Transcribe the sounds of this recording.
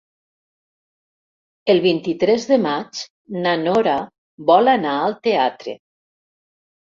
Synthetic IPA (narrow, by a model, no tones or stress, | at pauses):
elˠβint̪it̪ɾɛzðemat͡ʃ | nanoɾa | bɔlanaalˠt̪eat̪ɾḛ